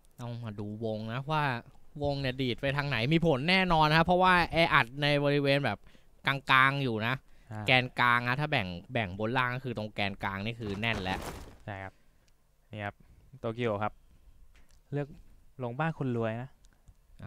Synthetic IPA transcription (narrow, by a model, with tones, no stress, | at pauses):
ʔa˧˩maː˧duː˧wo˧ŋna˦˥˦waː˥˩wo˧ŋni˨˩diː˨˩t̪̚pa˧jt̪ʰaː˧ŋna˩˦jmiː˧pʰo˨˩˦nːɛː˥˩nɔː˧nkʰa˦˥pʰɾɔ˦˥waː˥˩ʔɛː˧ʔa˨˩t̪̚na˧jbɔː˧ɾi˦˥weː˧nbɛː˨˩p̚ | kaː˧ŋkaː˧ŋjuː˨˩na˦˥ʔkɛː˧nkaː˧ŋna˦˥t̪ʰaː˥˩bɛ˨˩ŋbɛ˨˩ŋbo˧nlaː˥˩ŋɔː˥˩kʰɯː˧t̪o˧ŋkɛː˧nkaː˧ŋniː˥˩kʰɯː˧nɛ˥˩nlɛ˦˥ʔt͡ɕʰa˥˩jkʰa˦p̚ | niː˥˩kʰa˦˥p̚t̪oː˧ki˦˥oː˨˩kʰa˦˥p̚ | lɯ˥˩ək̚lo˧ŋbaː˥˩nkʰo˧nlu˧əjna˦˥ʔʔa˧˩